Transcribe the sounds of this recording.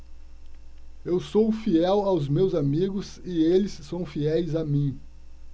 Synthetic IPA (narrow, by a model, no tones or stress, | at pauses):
ewsowfiɛwawzmewzamiɡʊsɪelɪsːɐ̃w̃fiɛjzamĩ